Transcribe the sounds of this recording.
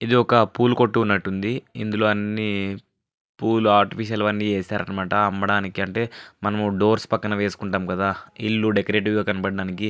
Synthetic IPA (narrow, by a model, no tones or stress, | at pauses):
id̪iɔkɐpuːluko̞ʈːuːnːɐʈːund̪iḭnd̪ulo̞ːɐnːi | puːluaːɾʈipʰiʃ̬ɐlʋɐnːit͡ʃeːsaːɾɐnɐmaːʈɐɐmbɐɽaːnikiɐɳʈe̞ːmɐnɐmuɖo̞ːɾspɐkːɐnɐʋe̞ːsu̥kuɳʈaːmukɐd̪aːḭlːuɖekɐɾe̞ːʈ̬iʋɡaːkɐnɐpɐɽɖaːniki